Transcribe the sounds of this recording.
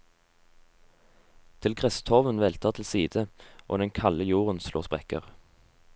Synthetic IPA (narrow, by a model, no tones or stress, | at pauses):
t̪ʰɪlɡʁɛst̪ʰɔʋənʋeːlt̪ʰɑːʁt̪ʰɪl̩siːd̪̥əʔo̰ːd̪ɛŋkʰɑləjuːʁənslo̰ːspʁɛkə̰ʁ